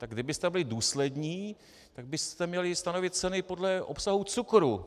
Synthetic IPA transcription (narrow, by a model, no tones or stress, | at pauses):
t̪aɡdɪbɪst̪ɛbɪlɪduːslɛdɲiː | t̪aɡ̚bɪst̪ɛmɲɛlɪst̪ano̞vɪt̪̚t͡sɛnɪpo̞dlɛʔopsaɦut͡sukɾu